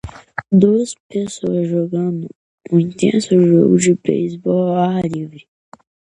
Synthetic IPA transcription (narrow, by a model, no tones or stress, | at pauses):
d̪uɐzpesoɐzʒoɡɐ̃nd̪ʊ | ũĩnt̪ḛ̃sʊʒo̰ɡʊd͡ʒɪbḛjsbɔalivɾi